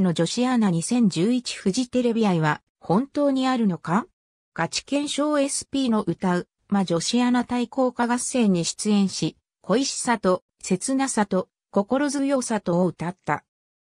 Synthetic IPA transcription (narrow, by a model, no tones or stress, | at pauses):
no̞d͡ʑo̞ɕianaɲ̟isẽ̞ɲ̟d͡ʑɨːit͡ɕi̥ɸɯ̟ʑit̪e̞ɾe̞bʲiaiβa | hõ̞nt̪o̞ːɲ̟iaɾɯ̟no̞ka | ɡ̥at͡ɕi̥kẽ̞ɰ̃ɕo̞ːe̞sɨ̥pʲiːno̞ʔɯ̟t̪aɯ̟ | maʑo̞ɕianat̪aiko̞ːkaɡase̞ːɲ̟iɕi̥t͡sɨẽ̞ɰ̃ɕi | kʰo̞iɕi̥sat̪o̞ | se̞t͡sɨnasat̪o̞ | ko̞ko̞ɾo̞zɨjo̞ːsat̪o̞ːɯ̟t̪at̪ːa̰